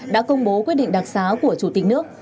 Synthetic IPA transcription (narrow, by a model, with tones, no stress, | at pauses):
ɗa̰ː˧˥kə˧wŋ͡mɓo˨˦kwi˦˥t̚ɗḭ˧˨ŋ̟ɗa˨˩t̚saː˨˦ku˧˩ət͡ɕu˧˩t̪i˨˩k̟̚nɨ˦˥ək̚